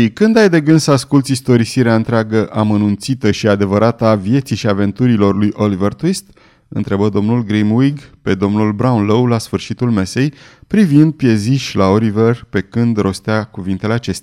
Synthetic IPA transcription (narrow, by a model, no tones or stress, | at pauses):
ikɨnd̪ajd̪e̞ɡɨnd̪səaskult̪sʲist̪o̞ɾisiɾeaɨnt̪ɾeaɡəʔamənunt̪sit̪əʃiad̪e̞vəɾʔat̪avje̞t̪siʃiave̞nt̪uɾilo̞rlujʔo̞livert̪wist̪ | ɨ̰nt̪ɾe̞bəd̪o̞mnulɡɾimwiɡpe̞d̪o̞mnulbɾawunlowlasfɨrʃit̪ulme̞se̞jpɾivind̪̚pje̞ziʃʲlao̞liverpe̞kɨnd̪ro̞st̪eakuvint̪e̞le̞at͡ʃe̞st̪ea